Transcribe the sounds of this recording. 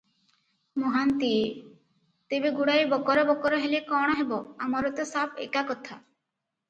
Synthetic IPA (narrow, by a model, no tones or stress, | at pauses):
moɦant̪i | t̪ebeɡuɽajbɔkɔɾɔbɔkɔɾɔɦelekɔɽ̃ɔɦebɔamɔɾɔt̪ɔsapʰḛkakɔt̪ʰa